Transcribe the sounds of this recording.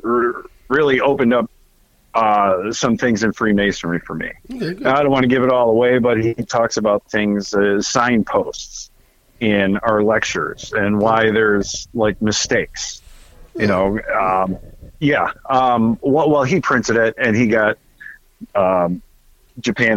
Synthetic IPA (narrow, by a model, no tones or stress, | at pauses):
ɹɪlˠiʔoʊpɨ̃ndʌp̚ | ʌsʌ̃mθɪ̃ŋzɨ̃nfɹimeɪsɨnə˞ifə˞mḭaɪdõʊ̃nʔwɑ̃nɨɡɪvɨɾɔlˠðəweɪbʌt̚hitʰɔksɨbaʊt̪̚θɪ̃ŋz̥sãɪ̃npʰoʊsts | ɪ̃naʊə˞lɛk̚t͡ʃə̰˞z̥ɨ̃nwaɪðə˞z̥laɪk̚mɨsteɪks | jɨnoʊʌ̃mjæʌ̃mwɛwɛlˠipʰɹ̥ɪ̃ntɨɾɪt̚ɨ̃niɡɑt̚ | ʌ̃m | d̥ʒ̥ɨpʰæ̃